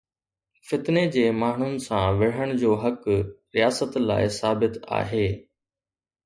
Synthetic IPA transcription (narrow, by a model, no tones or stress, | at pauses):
fɪt̪ned͡ʑeːmaːɳ̤ʊnɪ̆sãʋɪɽ̤əɽ̃d͡ʑoːɦɐkɾijaːsət̪la̰ːɪsaːbɪt̪a̰ːɦeː